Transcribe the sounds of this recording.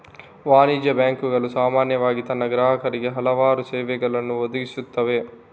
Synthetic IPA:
ʋaːniːd͡ʒɐbjaːŋkuɡɐɭusaːmaːnjɐʋaːɡit̪ɐnːɐɡɾaːɦɐkɐɾiɡeɦɐlɐʋaːɾusɛːʋɛɡɐɭɐnːuod̪uɡisut̪ːɐʋe̞

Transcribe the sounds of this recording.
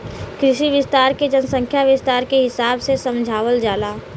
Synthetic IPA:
kɾɪʃiʋɪst̪aːɾked͡ʒənsə̃ŋkʰjaʋɪst̪aːɾkeɦɪsaːbsesə̃md͡ʒʱaːʋəld͡ʒaːlaː

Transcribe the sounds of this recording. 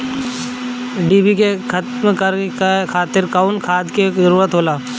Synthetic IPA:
ɖiːbikekʰt̪mkəɾkakʰaːt̪ɪɾkaːʊnkʰaːd̪kezəɾuːɾət̪ɦoːlaː

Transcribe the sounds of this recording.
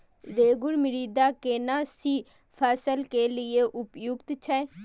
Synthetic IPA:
d̪eːɡʊɽmɪɾiːd̪aːkeːnaːsiː | pʰɛːsəlkeːlɪeːʔʊpjʊɡt̪t͡ʃʰɛ

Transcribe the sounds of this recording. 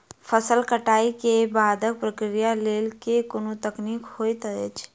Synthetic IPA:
pʰəsəlkəʈaːikebaːd̪ək̚pɾəkɾijaleːlkekonot̪əkniːkhoːjt̪əɛt͡ʃʰ

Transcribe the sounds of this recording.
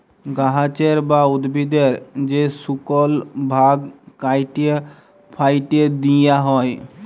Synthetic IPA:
ɡaɦat͡ɕeɾbaud̪bʱid̪eɾd͡ʑesukolbʱaɡkajʈe | pʰajʈed̪ijaɦɔj

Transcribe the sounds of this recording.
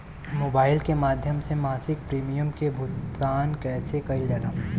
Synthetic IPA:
moːbaːɪlkemaːd̪ʱjəmsemaːsɪk̚pɾiːmijəmkebʱʊt̪kaːnkɛːsekɐid͡ʒɐla

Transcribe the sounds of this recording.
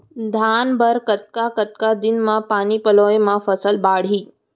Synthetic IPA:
d̪ʱanbʱəɾkət̪̚kakət̪̚kad̪ɪnmãpaniːpəloemãfəsəlbaɽ̤iː

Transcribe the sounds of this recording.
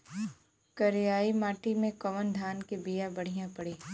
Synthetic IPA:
kɐɾɪjaːimaːʈimẽkɐʋənd̪ʱaːnkebijabɐɽ̤ijãpɐɽeː

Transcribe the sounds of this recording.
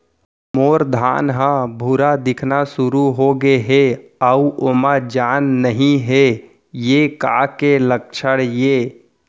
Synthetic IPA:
moːɾd̪ʱaːnɦãbʱuɾad̪ɪkʰnasʊɾuɦoɡeɦeauʔomãd͡ʒaːnːəɦĩɦe | jeka̰ːkelək̚t͡ʃʰəɽjeː

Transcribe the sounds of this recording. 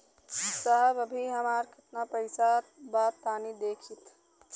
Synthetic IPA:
səɦəbəbʱiɦəmaːɾkʰət̪napəɪsabaːt̪aːnid̪eːkʰt͡ʃit̪

